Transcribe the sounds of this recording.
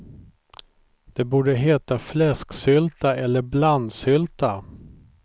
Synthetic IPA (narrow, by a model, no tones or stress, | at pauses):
d̪̥ɛbuːɖəɦeːt̪aflɛsksʏlt̪aɛlːəɾbland̪sʏlt̪a